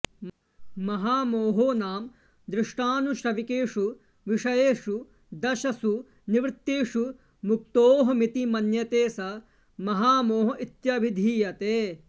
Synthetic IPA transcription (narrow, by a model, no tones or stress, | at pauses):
mɐɦaːmoːɦoːnaːm | d̪ɾɪʂʈaːnuʃɾɐʋikeːʂu | ʋiʂɐjeːʂu | d̪ɐʃɐsu | niʋɾɪt̪ːeːʂu | muk̚t̪oːɦɐmit̪imɐnjɐt̪eːsɐ | mɐɦaːmoːɦɐʔit̪jɐʋid̪ʱiːjɐt̪eː